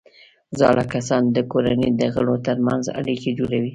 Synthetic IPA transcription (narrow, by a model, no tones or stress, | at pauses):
zɑlakasɑnd̪əkoɾanid̪əɣəɽot̪əɾmanza̰ɽiked͡ʒoɽawi